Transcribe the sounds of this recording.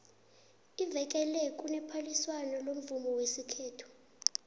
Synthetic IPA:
ivɛk̬ʼɛlɛkʼunɛpʰaliswanɔlom̩vumɔwesikʰeːtʰu̥

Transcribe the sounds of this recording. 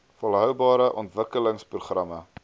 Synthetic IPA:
fɔlˠɦœwbɑːɾəʔɔntvəkələŋspruχrɐmə

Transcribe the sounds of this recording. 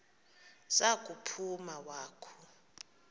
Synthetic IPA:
z̥akʼupʰumawaːkʰɔ̥

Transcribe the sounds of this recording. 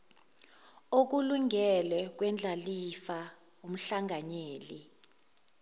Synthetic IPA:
ok̬uluŋʱɛlwɛk̬wɛnd͡ɮʱalifa | um̩ɬaŋʱaɲeːli

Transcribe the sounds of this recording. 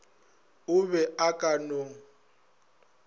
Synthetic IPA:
ʊβɛʔakʼanoŋ

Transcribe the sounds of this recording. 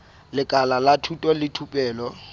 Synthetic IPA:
lɪkʼalalatʰutʼɔlɪtʰupʼɛːlɔ

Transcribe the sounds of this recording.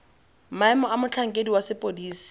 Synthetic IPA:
maɛmɔamʊt͡ɬʰaŋ̩kʼediwasɪpʼodiːsi̥

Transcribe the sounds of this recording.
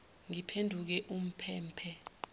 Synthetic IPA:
ŋipʰendʱuk̬ɛʔum̩pʰɛːmpʰɛ

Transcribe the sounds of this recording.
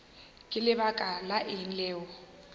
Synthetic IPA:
kʼɪlɪβakʼalaʔin̩lɛːwɔ

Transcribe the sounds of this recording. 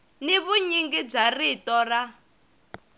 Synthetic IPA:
niβuɲiŋɡib͡ʐaritɔra

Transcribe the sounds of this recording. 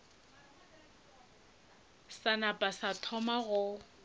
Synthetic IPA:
sanapʼasatʰɔmaɣʊ

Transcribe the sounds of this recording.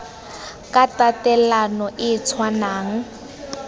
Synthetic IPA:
katatɛlanɔʔɪt͡sʰwanaːŋ̩

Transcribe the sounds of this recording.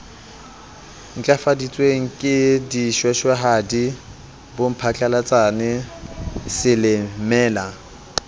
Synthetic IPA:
ŋ̩t͡ɬʼafadit͡sʼweŋ̩kʼɪdiʃwɛʃwaɦadi | bʊm̩pʰat͡ɬʼalat͡sʼanɛ | sɪlɪmɛːla

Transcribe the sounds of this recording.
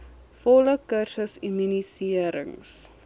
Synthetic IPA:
fɔləkərsəsimynisiəɾə̰ŋs

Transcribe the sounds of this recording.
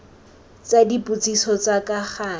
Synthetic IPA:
t͡sadipʼut͡sʼisɔt͡sakaχaː

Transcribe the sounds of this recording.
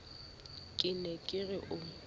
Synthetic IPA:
kʼɪnɛkʼɪɣɪʔʊ

